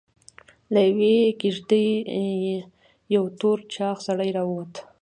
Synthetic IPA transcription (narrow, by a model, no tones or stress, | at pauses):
lajawekɪʐd̪əjje | jawt̪oɾt͡ʃɑxsaɽəjɾɑwəwat̪